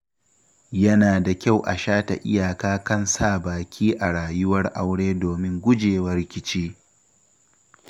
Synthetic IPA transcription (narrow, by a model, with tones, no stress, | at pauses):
jɐ˦naː˨da˨kʲa˦˨wʔa˨ʃaː˦ta˨ʔɪ˦ja˨kaː˦kɐ˦nsaː˦˨baː˨kʲʰiː˦ʔa˨ɽaː˨jʊ˦wɐ˦rʔa˦wɽeː˦doː˨mɪ˦ŋɡʷʊ˦d͡ʒeː˨wɐ˦rkʲɪ˦t͡ʃiː˦